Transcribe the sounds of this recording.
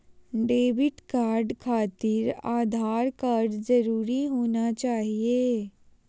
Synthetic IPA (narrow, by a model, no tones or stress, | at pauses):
ɖeːbɪʈkaːɾɖkʰaːt̪ɪɾaːd̪ʱaːɾkaːɾɖd͡ʒɐɾuːɾiɦoːnat͡ʃaːɦieː